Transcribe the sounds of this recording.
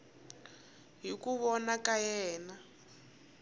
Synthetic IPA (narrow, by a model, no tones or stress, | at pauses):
ɦikuβɔnakajɛːna